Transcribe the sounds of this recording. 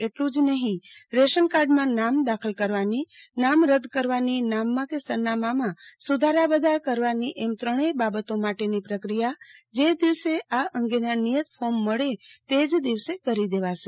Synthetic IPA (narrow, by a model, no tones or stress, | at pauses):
eʈlũd͡ʒnəɦĩɾeʃənkaɾɖmãnamd̪akʰəlkəɾʋaninamɾəd̪ʱkəɾʋaninamːãkesəɾnamamãsud̪ʱaɾabəd̪ʱaɾkəɾʋaniʔɛmt̪ɾəɽ̃ebabət̪omaʈenipɾəkɾijad͡ʒed̪iʋseʔaʔəŋɡenanijət̪fomːəɭet̪ed͡ʒd̪iʋsekəɾid̪eʋaʃe